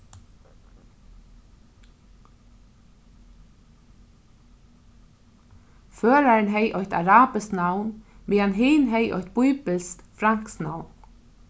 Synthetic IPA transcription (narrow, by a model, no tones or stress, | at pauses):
føːɾæɹɳɦeɪʔɔʏt̪ɑ̰ɾɑːbəsknɑwnmiːɑnɦeːnɦeɪʔɔ̰t̪̚b̥ʊʏbəlskfɾɑŋksnɑwn